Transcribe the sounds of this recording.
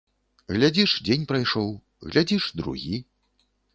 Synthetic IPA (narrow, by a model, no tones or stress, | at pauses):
ɣlʲad͡zʲiʂd͡zʲenʲpɾajʂɔw | ɣlʲad͡zʲiʂd̪ɾṵɣʲi